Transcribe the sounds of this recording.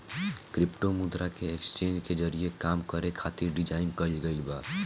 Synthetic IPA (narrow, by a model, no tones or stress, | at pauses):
kɾipʈomud̪ɾakeekst͡ʃẽnd͡ʒked͡ʒəɾiekamkəɾekʰat̪iɾɖid͡ʒaɪnkəlɡəɪlba